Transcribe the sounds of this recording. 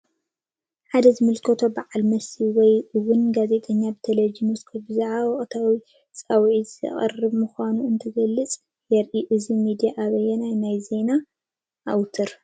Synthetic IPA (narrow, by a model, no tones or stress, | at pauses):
ħad̪ɐzɨmɨlkʰɐt̪ʰo̞baʕalmɐsiwɔjɨwʊnɡaze̞t̪ʼɐɲːabɨt̪ʰɐlɐd͡ʒimɨskʰobɨzaʕaβɔχʼt̪ʰawi | t͡sʼɐwʕizɐ̰χʼɨ̰rɨβmɨxʷanuɨnt̪ʰɐɡɐlːɨt͡sʼ | jɛɾʔiʔɨzimid̪ijaʔaβɐjːɛnajnajze̞na | ʔːwt̪ʰɨɾ